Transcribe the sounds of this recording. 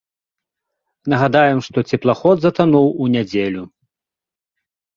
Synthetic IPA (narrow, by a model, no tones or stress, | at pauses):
nɐɣad̪ajɛmʂt̪ɔt͡sʲɛplˠaxɔd̪zɐt̪anuwunʲad͡zʲelʲu